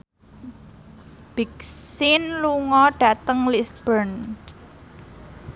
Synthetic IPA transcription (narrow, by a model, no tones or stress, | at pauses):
b̥ik̚sɪnluŋɔɖ̥ä̤t̪əŋlisbərn